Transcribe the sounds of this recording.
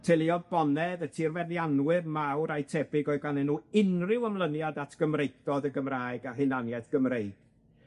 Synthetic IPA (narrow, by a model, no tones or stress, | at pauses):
tʰelˠiɔðbɔnɛðətʰirvɛnjanwɪrmawɾajtʰɛbɪɡɔɨɡanɛnuːɪnrɪwəmlˠənjadatʰɡ̥əmrejθdɔdəɡəmraːjɡaɦɨnanjɛθɡ̥əmrejɡ̥